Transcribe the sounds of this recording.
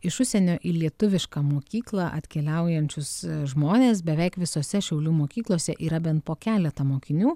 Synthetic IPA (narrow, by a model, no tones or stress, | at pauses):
ɪʃʊsʲɛnʲoːʔilʲiɛt̪ʊʋʲɪʃkɐːmoːkʲiːklˠɐʔɐ̰t̪ʲkʲɛlʲɛˑʊjɛnʲt͡ʃʲʊsʒmoːnʲeːs̬bʲɛʋʲɛɪkʋʲɪsoːsʲɛʃʲɛʊlʲuːmoːkʲiːklˠoːsʲɛʔiːɾɐbʲɛnt̪̚poːkʲæːlʲɛt̪ɐmoːkʲɪnʲuː